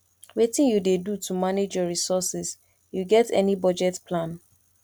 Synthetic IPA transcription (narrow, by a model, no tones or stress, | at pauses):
wetĩnjudedutʰumaned͡ʒjɔɹisɔsɛs | juɡɛtɛ̰nibɔd͡ʒɛtpʰlãn